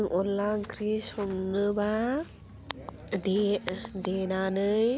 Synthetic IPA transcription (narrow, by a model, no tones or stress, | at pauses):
ŋʔɔlːakɾisɔmnɯba | dedenanɯj